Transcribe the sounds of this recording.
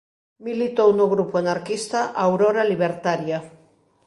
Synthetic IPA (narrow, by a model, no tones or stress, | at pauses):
milit̪ownoɣɾupuanaɾkist̪aʔawɾoɾaliβ̞eɾt̪aɾja